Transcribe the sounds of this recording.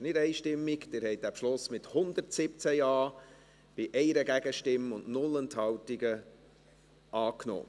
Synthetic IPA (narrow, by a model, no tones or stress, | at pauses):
nɪdɛɪʃtɪmːikd̥ɪɾhɛɪt̚d̥æpʃlʊsmɪthʊnd̪əɾtsɪp̚t͡sæjɑː | b̥ɪʔɛɪɾəɡæɡəʃtɪməʊnʔnʊlɛnt̪hɑwtiɡə | ʔɑːkno̰ː